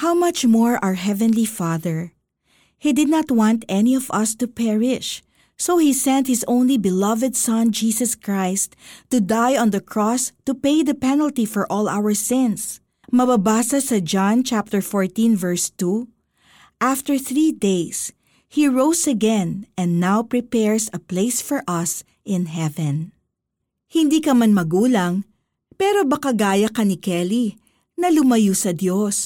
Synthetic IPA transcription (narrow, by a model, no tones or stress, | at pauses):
hawmʌt͡ʃmɔɹʔaɹɦɛvɛ̃nlifaðəɹ | hid̪ɪd̪̚ⁿnat̪wɑ̃nt̪ɛniɔvʌ̰st̪upɛɹɪʃ | sowhisɛ̃nt̪̚hɪsõʊ̃nlibɪlʌvɛd̪̚sʌ̃nd͡ʒisɐskɹaɪst̪tːud̪ajɔ̃nðɐkʰɹɔst̪upeɪðɐpɛnəlˠt̪ifɔɹʔɔlawəɹsɪ̃ns | mɐbɐbasɐsɐd͡ʒãnt͡ʃap̚t̪ɛɹfɔɹt̪ĩnvɛɹst̪u | ʔaft̪ɛɹθɹid̪ejs | hiɹowsɐɡɛ̃nɛ̃nd̪ːawpɹɪpɛɹsɐpleɪsfɔɹʔɐs | ʔɪ̃nɦɛvɛ̃n | hɪnd̪iːkɐmanmɐɡuːlɐŋ | pɛɾobɐkɐɡaːjɐkɐnɪkɛli | nɐlʊmɐjusɐd̪jos